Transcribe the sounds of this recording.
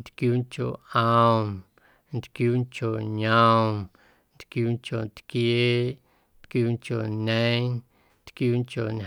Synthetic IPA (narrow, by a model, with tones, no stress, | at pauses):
nt̪kjuː˦nko̰˨ʔã˧wn | nt̪kjuː˦nko˨ɲã˧wn | nt̪kjuː˦nko˨nt̪kje˦ | nt̪kjuː˦nko˨ɲẽ˦ | nt̪kjuː˦nko˨n